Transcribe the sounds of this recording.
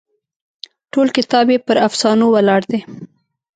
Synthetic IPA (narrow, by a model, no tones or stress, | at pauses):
ʈolkɪt̪ɑbjepəɾafsɑnowalɑɽd̪e